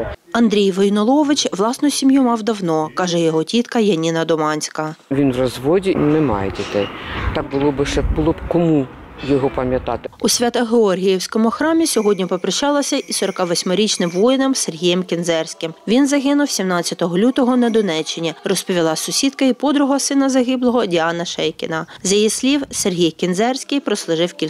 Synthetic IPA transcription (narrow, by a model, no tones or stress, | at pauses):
ɐnd̪ɾʲijʋɔjnɔlˠɔʋɪt͡ʃʋlˠɑsnʊsʲimʲjumɑwd̪ɐwnɔkɑʒɛjɔɦɔtʲit̪kɐjɐnʲinɐd̪ɔmɑnʲsʲkɐʋʲinʋrɔzʋɔdʲinɛmɑ̰jedʲit̪ɪjt̪ɑk̚bʊlˠɔbɪʃɛbʊlˠɔbkɔmu | jɔɦɔpɐmʲjɐt̪ɑt̪ɪʊsʲʋʲɑt̪ɐɦeɔrɦʲijiwsʲkɔmʊxɾɑmʲisʲɔɦɔdʲnʲipɔpɾɐʃt͡ʃɑlˠɐsʲɐʔisɔɾɔkɑʋɔsʲmɔɾʲit͡ʃnɪmʋɔjɪnɔmserɦʲijɛmkʲɪnzɛrsʲkɪmʋʲinzɐɦɪnʊwsʲimnɑt͡sʲːɐt̪ɔɦɔlʲut̪ɔɦɔnɐd̪ɔnɛt͡ʃːɪnʲirɔspɔʋʲilˠɑsʊsʲid̪kɐipɔd̪ɾʊɦɔɐsɪnɐzɐɦɪblˠɔɦɔdʲɪɑnɐʃɛjkʲɪ̰nɐzjijisʲlʲiwserɦʲijkʲɪnzɛrsʲkɪjpɾɔslˠʊʒɪwkʲi